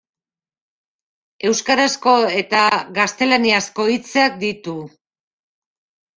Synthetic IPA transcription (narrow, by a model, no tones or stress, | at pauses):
e̞wskaɾasko̞e̞t̪aɣast̪e̞laniasko̞it͡seak̚d̪it̪u